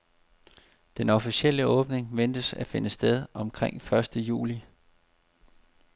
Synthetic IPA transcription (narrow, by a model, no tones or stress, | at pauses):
d̥enɒ̽fisiel̰əɔ̽ːb̥ne̝ŋʋen̰d̥əsæfe̝nəsd̥eð̞ˠɒ̽mkʰʁeŋ̰fɶɐsd̥əjṵːli